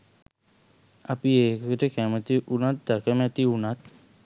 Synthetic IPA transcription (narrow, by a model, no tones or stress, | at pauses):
apieːkəkʈəkæmət̪iʔunat̪̚d̪akəmɛt̪iunat̪̚